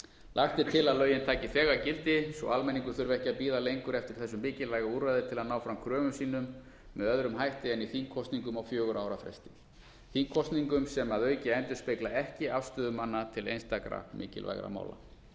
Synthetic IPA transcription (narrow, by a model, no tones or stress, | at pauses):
lʔaxt̪ɪɾ̥t̪ʰɪlaðlœɥjɪnt̪ʰaːcɪθɛːɣacɪlt̪ɪsɔ̰almɛniŋkʏ̥θʏɾvɛhcaðpiːðalejŋkʏɾɛft̪ɪɾ̥θɛsːʏmːɪːcɪlvajɣauɾrajðɪt̪ʰɪlaðnaːwfɾamkʰɾœːvʏmsiːnʏmː | ɛðœðɾʏmɦajht̪ɪɛnːiθiŋkʰɔst̪niŋkʏmawfjœːɣʏɾʔaːwɾafɾɛ̰st̪ɪ | θiːŋkʰɔst̪niŋkʏmsɛmaðœːɥcɪɛnt̪ʏ̥spɪklaɛhcɪafst̪ʏːðʏmanːat̪ʰɪlḛjnst̪akɾa̰mɪ̰ːcɪ̰lva̰jɣɾa̰ma̰ːwla̰